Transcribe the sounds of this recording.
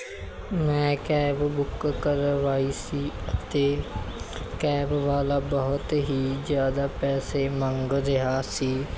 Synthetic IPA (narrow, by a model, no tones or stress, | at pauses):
mɛ̃ːkɛːbbʊkkəɾʋaːiːsiːət̪eː | kɛːbʋaːlaːbəɦʊt̪ɦiːd͡ʒjaːd̪aːpɛːseːməŋɡɾɪɦaːsiː